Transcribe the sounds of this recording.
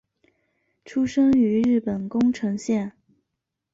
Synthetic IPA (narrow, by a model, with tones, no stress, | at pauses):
ʈ͡ʂʰu˥ʂɤ˥ŋy˧˥ɻɻ̩˥˩pə˨˩nkʊ˥ŋʈ͡ʂʰɤ˧˥ŋɕjɛ˥˩n